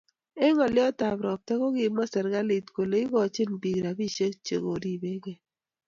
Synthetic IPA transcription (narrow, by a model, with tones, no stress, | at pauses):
e˦ŋɔ˨lɪ˦ɔ˦ta˨bɾɔ˨p̚tɛ˦ko˦ɡɪ˨mɔ˦sɛ˨ɾɡa˦lɪ˨tko˨le˨˦i˦ɡɔ˨t͡ʃɪ˦nbi˨ɡɾa˨bi˦˨ʃe˦kt͡ʃḛ˨ɡo˨ɾi˦˨be˦ɡe˦